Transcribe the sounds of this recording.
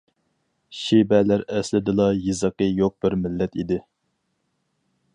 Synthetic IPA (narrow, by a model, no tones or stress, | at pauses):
ʃibɛlæɾɛslɪd̪ɨlˠɑjɨzəqəjoq̚b̥ɪɾmɪlːɛt̪id̪ɪ